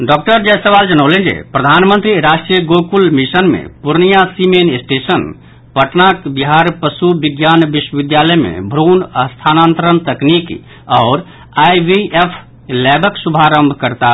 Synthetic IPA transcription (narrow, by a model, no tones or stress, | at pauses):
ɖɔk̚ʈəɾd͡ʒɛsəʋald͡ʒənəʊlend͡ʒḛpɾəd̪ʱanmənt̪ɾiɾasʈɾijəɡokulmisənmḛpuɾnijasimenisʈesən | pəʈnakbiɦaɾpəsubiɡjanbiswəʋid̪jaləjmḛbʱɾonəst̪ʰanant̪ɾənt̪əknik | aːɾ | ajʋiepʰ | lɛbəksubʱaɾəmbʱkəɾt̪a